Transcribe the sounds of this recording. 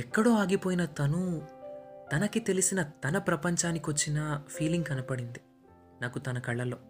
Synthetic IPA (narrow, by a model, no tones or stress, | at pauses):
ɛkːɐɽoːaːɡipoːjinɐt̪ɐnu | t̪ɐnɐkit̪e̞lisinɐt̪ɐnɐpɾɐpɐɲt͡ʃaːnikiʋɐt͡ʃːinɐpʰiːliŋɡkɐnɐpɐɽind̪i | naːkut̪ɐnɐkɐɭːɐlo̞ː